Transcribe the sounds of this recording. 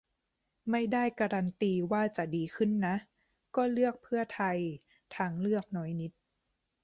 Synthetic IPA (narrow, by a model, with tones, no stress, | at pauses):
ma˥˩jda˥˩jka˧ɾa˧nt̪iː˧waː˥˩t͡ɕa˨˩diː˨˧kʰɯ˥˩nːa˦˥ʔ | kɔː˥˩lɯ˥˩ək̚pʰɯ˥˩ɐt̪ʰa˧j | t̪ʰa˦˥ŋlɯ˥˩ək̚nɔː˦˥jni˦˥t̪̚